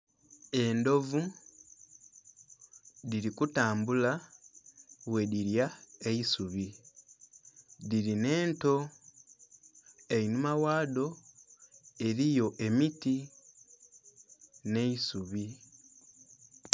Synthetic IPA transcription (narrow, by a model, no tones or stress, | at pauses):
e̞ndo̞vu | diɾikutaːmbula | we̞diɾjaeisuβi | ðiɾine̞ːnto̞ | e̞inumawaːdo̞ | e̞ɾijo̞ʔe̞miti | ne̞isuβi